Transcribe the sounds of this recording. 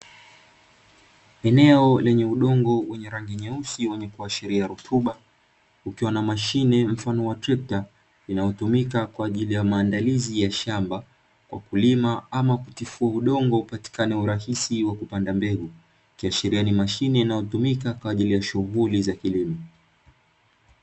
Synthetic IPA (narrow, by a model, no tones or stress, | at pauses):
ɛnɛɔlɛɲɛuɗɔŋɡɔwɛɲɛɾaŋɡiɲɛusiwɛɲɛkuaʃɛɾiaɾutʰuɓa | ukiwanamaʃinɛm̩fanɔwatɾip̚ta | linajɔtumikakwaːʄilijamaːndalizijaʃamba | kwʔa̰kulimaamakutifuauɗɔŋɡɔupati̥kanɛuɾahisiwakupandambɛɡu | kiaʃiɾianimaʃinɛinajɔtumikakwaːʄilijaʃuɣulizakilima